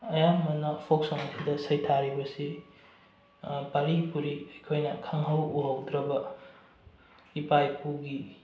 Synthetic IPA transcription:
ɐjamɐnːɐpʰoksoŋɐsʰidɐsɐjtʰaɾibɐsi | paɾipuɾiɐjkʰojnɐkʰɐŋɦɐwuɦɐwdɾɐbɐ | ipajpuɡi

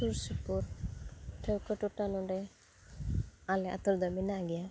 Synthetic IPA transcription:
uɾsupuɾ | ʈʰewkɔʈuʈanɔɖɛ | alɛa̰t̪uɾd̪ɔminaɡija

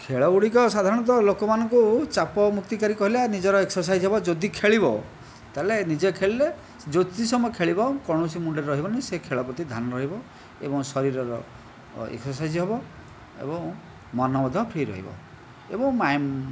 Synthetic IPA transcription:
kʰeɭɔuɽikɔsad̪ʱaɾɔɽ̃ɔnt̪ɔlokɔmanɔŋkut͡ʃapɔmuk̚t̪ikaɾikɔɦilanid͡ʒɔɾɔeksɔɾs̬ajd͡ʒɦebɔd͡ʒod̪ikʰeɭibɔ̰ | t̪alenid͡ʒekʰeɭle | d͡ʒot̪isɔmɔjkʰeɭibakɔɽ̃ɔsimuɳɖeɾɾɔɦibɔnisekʰeɭɔpɾɔt̪id̪ʱanɔɾɔɦibɔ | ḛbɔŋsɔɾiɾɔɾɔ̰ | ḛksɔsajd͡ʒɦebɔ | ḛbɔŋ | mɔnɔbɔd̪ʱɔpʰɾiɾɔ̰ɦḭbɔ̰ | ebɔŋmajm

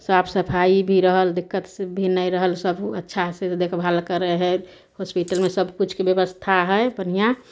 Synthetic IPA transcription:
sabsəpʰaibʱiɾəɦəld̪ikːət̪sbʱinəɾəɦəlsəbətːʃʰased̪ekʰbʱalkəɾeɦɛ | hospiʈəlmesəbʱkut͡ʃʰkebjəbəst̪ʰaɦɛebənija

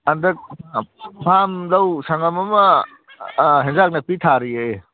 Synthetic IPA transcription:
ɐndɐk̚ | pʰamdɐwsaŋɐmɐmɐ | ɦenzak̚nɐpitʰaɾiej

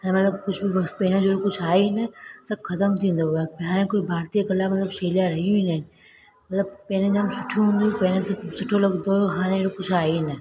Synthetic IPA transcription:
ɐ̃mɐt̪ləb̚kʊd͡ʑʰʱbɪɐpɐɦɪñə̃d͡ʑoːɾokʊd͡ʑʰʱaːenɐsɐbxɐt̪əmt̪ʰĩːnd̪oaɦaːɽ̃ẽkoːibʱaːɾt̪ijakɐlamɐt̪ləbseːlijaɾɐɦijũĩːnəɦɪnɪ̆ | mɐt̪ləb̚pɐ̃ɦñẽd͡ʑaːmsʊ̥ʈʰijũɦũːnd̪ijũpɐ̃ɦɪ̃ɽ̃essʊʈʰolɐɡd̪oɦaːɽ̃ẽɾokʊd͡ʑʰʱaːenɐ

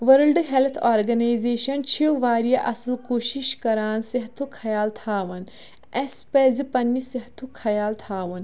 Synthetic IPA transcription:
ʋɐɾlɖɦelt̪ʰaːɾɡɐnaːjzeːʃɐnt͡ʃʰiʋaːɾijaʔɐsəlkoːʃiʃkɐɾaːnsiɦt̪ʰukʰɐjaːlt̪ʰaːʋɐn | espeːzipɐnːisiɦt̪ʰukʰɐjaːlt̪ʰaːʋɐn

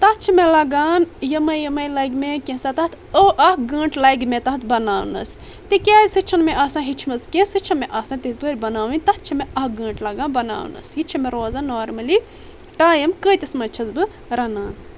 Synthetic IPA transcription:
t̪ɐt̪̚t͡ʃʰimelɐɡaːnjɐmɐjɐmɐjlɐjɡmekʲẽsat̪ɐt̪ʰəʔɐhɡə̃ːɳʈlɐjɡmẽt̪ɐɦt̪ʰbɐnaːwnɐ̰s | t̪ikʲaːsɨt͡ʃʰɐnmeʔɐːsãːɦit͡ʃʰimɐzkʲẽsɨt͡ʃʰɐnmeʔɐːsãːt̪izbɨɾʲbɐnaːwinʲt̪ɐt̪̚t͡ʃʰɐmeɐhɡɐ̃ːɳʈlɐɡãːnbɐna̰ːwnɐ̰sjit͡ʃʰɐmeɾoːzaːnːoːɾmɐli | ʈaːjɐmkəːt̪ɐsmɐt͡ʃʰɐzbɨ | ɾɐnaːn

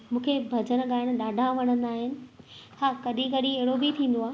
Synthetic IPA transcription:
mũːkʰebʱɐd͡ʑənɠaːɪɽ̃̆ɗaːɖʱaʋɐɽ̃ə̃nd̪aːɦɪnɪ̆haːkɐɗĩkɐɗĩeɦɪɽobɪt̪ʰĩːn̆d̪oaː

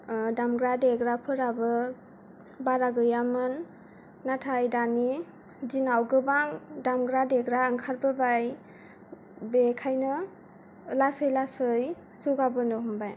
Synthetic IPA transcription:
damɡɾadeɡɾapʰɯɾabɯ | baɾaɡɯjamɯnː | atʰajdani | dinawɡɯbaŋdamɡɾadeɡɾaɯŋkʰaɾbɯbaj | bekʰajnɯ | lasɯjlasɯj | zuɡabɯnɯɦumbaj

